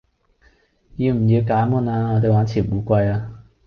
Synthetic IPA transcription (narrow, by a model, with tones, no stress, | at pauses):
jiː˨˧m̩˨˩jiː˨˧wkaː˨˥muː˧naː˧ŋɔː˨˧t̪e˨jwaː˨˥nt͡sʰiː˨˩nuː˨˥kʷɐ˧jaː˧